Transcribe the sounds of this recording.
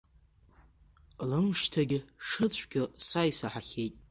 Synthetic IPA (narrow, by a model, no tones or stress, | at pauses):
lɨmʂtʰaɡʲɪʂɨt͡ɕʷʰɡʲɪsajsaħaχʲe̞jtʼ